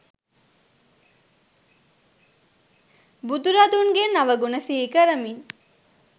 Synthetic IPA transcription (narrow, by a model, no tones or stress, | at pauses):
bud̪uɾad̪unɡenaʋəɡunəsiɦikəɾəmin